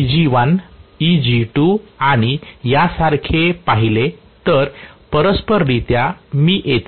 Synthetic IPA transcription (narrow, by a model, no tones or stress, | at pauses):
d͡ʑiʋanid͡ʑiʈuaɽ̃ijasaɾkʰepaɦile | t̪əɾpəɾəspəɾːit̪jamiːʔet̪